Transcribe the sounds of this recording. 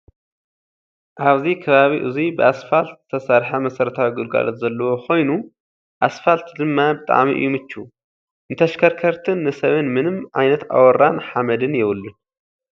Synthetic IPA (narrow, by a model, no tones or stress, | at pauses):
ʔaβzikʰɐβaβiʔɨzubɨʔasfalt̪zɨt̪ʰɐsaɾħamɐsɐɾɐt̪ʰawiɡulɡa̰lot̪zɐlːɐwo̞kʰo̞jnu | ʔasfalt̪d̪ɨmːabɨt̪ʼa̰ʕmḭʔɨ̰jːumɨt͡ʃːu | ɨnt̪ʰɐʃkʰɐɾkʰɐɾt̪ʰɨnːɨsɐβɨnmɨnɨmʕa̰jnɐt̪a̰wɔɾanħamɐd̪ɨnjɛβɨlːɨn